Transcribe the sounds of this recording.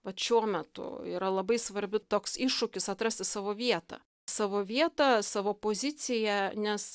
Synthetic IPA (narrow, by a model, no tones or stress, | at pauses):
ʋɐt̪ʃʲuɔmʲɛt̪ʊ̰iːɾɐlˠɐbɐɪsʋɐɾʲbʲɪt̪oːksɪʃʊkʲɪsɐt̪ɾɐsʲt̪ʲɪsɑːʋoːʋʲiɛt̪ɑ̰ | sɑːʋoːʋʲiɛt̪ɑsɑːʋoːpoːzʲɪt̪t͡s̪ʲɪjɛnʲɛs